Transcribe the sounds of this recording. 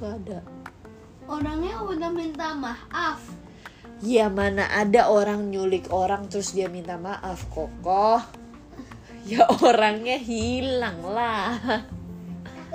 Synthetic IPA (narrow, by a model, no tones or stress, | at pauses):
ada | oɾaŋɲawənahmint̪amahʔaf | jamana̰ʔadaʔoɾaŋɲulɪkoɾaŋt̪ɾʊsdiamint̪amaʔafkokɔh | jaʔooɾaŋɲaɦilaŋla